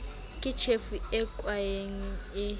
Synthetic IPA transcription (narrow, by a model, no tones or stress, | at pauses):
kʼit͡ʃʰefuɛkʼwajeŋiɛ